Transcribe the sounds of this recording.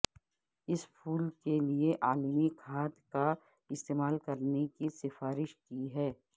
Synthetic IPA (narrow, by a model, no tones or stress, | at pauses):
ɪspʰuːlkelieʔaːlmikʰaːt̪ka | ɪst̪eːmaːlkɐɾnekisɪfaːɾɪʃkiɦɛː